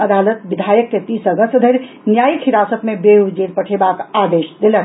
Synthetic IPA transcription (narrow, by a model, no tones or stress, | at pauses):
əd̪alət̪bid̪ʱajəkket̪isəɡəst̪əd̪ʱəɾ | njajikɦiɾasət̪mebeɦud͡ʒeɾpəʈʰebakad̪eʃd̪elə